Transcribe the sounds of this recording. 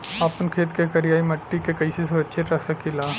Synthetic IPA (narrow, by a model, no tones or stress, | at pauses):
aːpənkʰeːt̪kekɐɾijaːimɐʈːikekɐises̬ɾətːʃʰet̪ɾɐksɐkilaː